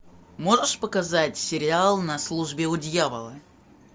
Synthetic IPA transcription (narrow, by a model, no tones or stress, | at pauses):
mo̞ʐəʂpəkɐzatʲsʲɪɾʲɪalˠnɐslˠuʐbʲɪʊdʲjavə̰lˠə̰